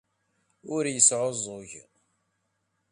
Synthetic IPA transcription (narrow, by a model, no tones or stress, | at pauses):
ʊɾjəsʕozˤoʝ